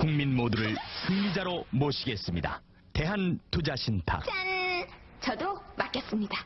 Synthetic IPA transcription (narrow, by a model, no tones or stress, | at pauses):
kuŋminmoduɾɯɭsʰɯŋːid͡ʑaɾomoɕʰiɡe̞s͈ɯmɲida̰ | te̞ɦantud͡ʑaɕʰintʰa̰an | t͡ɕʌdomak͈es͈ɯmɲida